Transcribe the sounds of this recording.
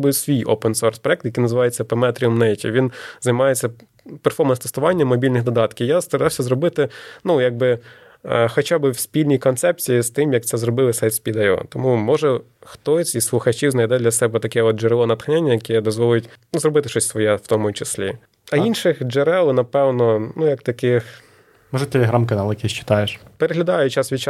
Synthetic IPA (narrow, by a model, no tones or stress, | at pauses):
bɪwsʲʋʲijo̰pɛnsɔrspɾɔɛkt̪jɐkinɐzɨɪʋɑjet͡sʲːɐpemɛt̪ɾʲiɔmnɛjtʲḭʋʲinzɐjmɑjet͡sʲːɐ | perfɔrmɐnst̪est̪ʊʋɑnʲːɐmːɔbʲilʲnɪxd̪ɔd̪ɑt̪kʲɪjast̪ɐɾɑwsʲɐzɾɔbɪt̪ɪnujaɡ̚bɪ | xɔt͡ʃabɪwsʲpʲilʲnʲijkɔnt̪sɛp̚t͡sʲijist̪ɪmjɐk̚t̪sɛzrɔbɪlˠɪsɛjt̪sʲpʲid̪ɐjɔ̰t̪ɔmumɔʒɛ | xt̪ɔsʲisslˠʊxɐt͡ʃiwznɐjd̪ɛd̪lʲɐsɛbɛt̪ɐkɛɔt̪̚d͡ʒɛɾɛlˠɔnɐt̪xnʲanʲːɐjɐkɛd̪ɔzʋɔlˠjʊtʲnuzrɔbɪt̪ɪʃɔsʲsʋɔjɛwt̪ɔmʊt͡ʃɪsʲlʲḭ | ɐinʃɪxd͡ʒɛɾɛlˠnɐpɛwnɔnujɐkt̪ɐkɪx | mɔʒɛt̪ʲelʲeɦɾamkɐnɑlˠjɐkɛsʲt͡ʃɪ̥t̪ɑjeʃpeɾeɦlʲɐd̪ɑjʊt͡ʃasʋʲit͡ʃ